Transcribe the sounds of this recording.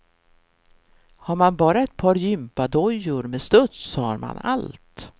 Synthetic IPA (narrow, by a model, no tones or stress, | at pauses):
haɾmanbɑːɾaɛt̪̚pʰɑːɾjʏmpad̪ɔjʊɾmest̪ɵt̪sːɔha̰ɾma̰na̰lt̪